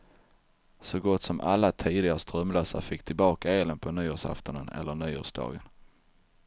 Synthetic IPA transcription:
sɔɡɔt̪ːsɔmʔalːat̪ʰiːd̪ɪɡaɾəst̪ɾœmlœːsa̰ɾfɪkːt̪ʰɪlbɑːkaeːlənpʰɔnyːoːʂa̰ft̪ɔnənɛ̰lːəɳyːo̰ːʂd̪ɑ̰ːɡən

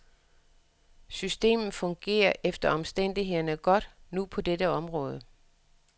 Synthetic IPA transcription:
sysd̥e̝̰ːmð̩ˠfɔ̽ŋɡ̥e̝̰ːɐʔefd̥ɐɒ̽msd̥en̰d̥iɦe̝ð̰ˠɐnəɡ̥ɒ̽d̥nupʰɒ̽d̥edəɒ̽mʁɔ̽ːð̞ˠə

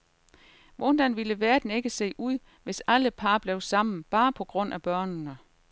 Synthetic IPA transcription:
ʋɔnd̥ænʋiləʋæːɐd̥ene̝ɡ̥əse̝̰ːʔuð̰ˠ | ʋe̝sæləpʰɑ̈ːb̥leʊsɑ̈m̰n̩b̥ɑ̈ːpʰɒ̽ɡ̥ʁɔ̽n̰ʔæb̥ɶɐ̰nnə

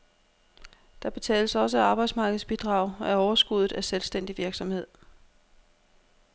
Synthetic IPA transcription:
d̥ɑ̈b̥e̝t͡sʰɛ̰ːləsɒ̽s̬əɑ̈ːb̥ɑ̈ɪd̥smɑ̈ːɡ̥ð̩ˠsb̥id̥ʁɑ̈ːʊæɒʊɐsɡ̥uð̞̰ˠð̩ˠæselsd̥en̰d̥iʋiɐɡ̥sɒ̽mhe̝ð̞̰ˠ

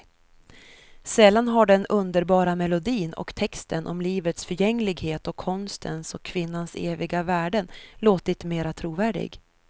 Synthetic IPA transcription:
sɛlːanɦaɖɛnɵnd̪əɾbɑːɾamɛlʊd̪iːnɔ̰kt̪ʰɛkst̪ənʔɔ̰mliːvət̪sfœɾjɛŋːlɪɡheːt̪ɔkʰːɔnst̪ʰənsɔkʰːvɪnːansḛːvɪɡavæːɖənloːt̪ɪt̪meːɾat̪ʰɾuːvæːɖɪ̰ɡ

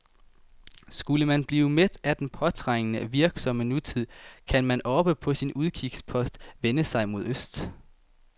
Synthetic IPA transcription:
sɡ̥uləmænb̥liːʊmed̥æd̥enpʰɒ̽t͡sʰʁaŋənəʋiɐɡ̥sɒ̽mənut͡sʰið̰ˠkʰænmænɒ̽b̥əpʰɒ̽sinuðˠkʰiɡ̥spʰɒ̽sd̥ʋenəsɑ̈ɪmo̝ðˠøsd̥

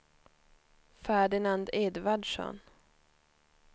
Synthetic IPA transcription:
fæːɖɪnand̪eːd̪vaɖʂɔ̰n

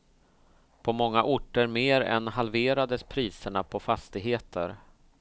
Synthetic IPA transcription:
pʰɔmɔŋːaʔʊʈːəɾmeːɾɛ̰nɦalveːɾad̪əspʰɾiːsəɳapʰɔfast̪ɪɡɦeːt̪ʰə̰ɾ

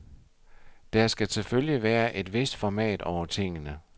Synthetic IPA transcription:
d̥æɐsɡ̥æt͡sʰe̝lføljəʋæːɐʔe̝d̥ʋe̝sd̥fɒmɛ̰ːd̥ɒʊɐt͡sʰe̝ŋ̰ənə

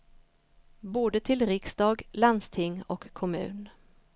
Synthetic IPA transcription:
boːd̪ət̪ʰɪlɾɪksd̪ɑːɡland̪st̪ʰɪŋːɔkʰːɔmʉ̟̰ːn

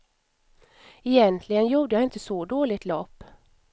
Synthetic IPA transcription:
ɛjɛnt̪ʰlɪɡənjuːɖ̪əjaɪnt̪əsɔd̪oːlɪt̪lɔpː

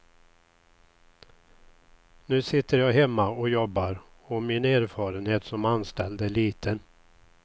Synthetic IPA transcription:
nʉ̟ːsɪt̪ʰːəɾjɑːɡɦɛmːaɔjɔbːaɾ | ɔmɪneːɾfɑːɾənheːt̪sɔmanst̪ɛld̪əæɭiːt̪ʰən

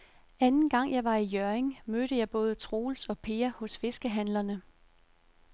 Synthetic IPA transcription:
ænn̩ɡ̥ɑ̈ŋ̰jɑ̈ɪʋɑ̈ijøɐeŋmøɾ̥əjɑ̈ɪb̥ɔ̽ːð̞ˠət͡sʰʁo̝ːlsɒ̽pʰe̝ːɐhɔ̽sfe̝sɡ̥əɦænlɐnə

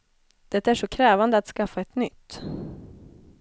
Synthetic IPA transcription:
d̪̥ɛt̪ːæʂɔkʰɾɛːvand̪əat̪skafːaɛt̪nʏt̪ː

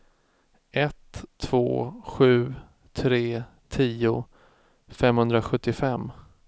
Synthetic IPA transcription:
ʔɛt̪ʰːv̥o̰ːɧʉ̟ː | t̪ʰɾeː | t̪ʰiːʊ | fɛmhɵnd̪ɾaɧɵt̪ːɪfɛmː

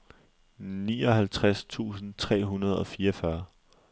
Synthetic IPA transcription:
niːɒ̽ɦælt͡sʰʁast͡sʰṵːsn̩t͡sʰʁɛ̰ːɦunɐð̞ˠɒ̽fiːɐɒfɶɐ

